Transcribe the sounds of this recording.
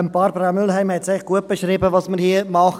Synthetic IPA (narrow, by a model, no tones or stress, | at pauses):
əmbɑːɾbɾamʏlɦæɪmhɛt̪sɛχɡ̥uət̚b̥eʃɾiːbəvɑsməɾhiəmɑχ